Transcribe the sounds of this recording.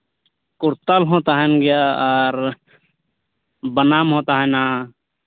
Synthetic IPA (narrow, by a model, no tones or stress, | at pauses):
kʊɾt̪alɦoːt̪aɦənɡɪjaɔːɾ | bənaːmɦoːt̪aɦə̃nã